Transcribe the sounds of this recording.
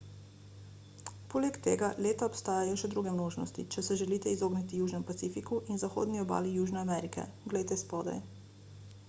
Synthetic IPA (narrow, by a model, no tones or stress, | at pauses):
poːlɛkt̪ḛːɡaleːt̪aɔpst̪aːjajɔʃɛd̪ɾuːɡɛmnoːʒnɔ̰st̪it͡ʃɛsɛʒɛliːt̪ɛizoːɡnit̪ijuːʒnɛmpat̪siːfikuʔinzaxo̰ːd̪niɔba̰ːlijuːʒnɛamɛɾikɛ̰ɡlɛjt̪ɛspɔːd̪a̰j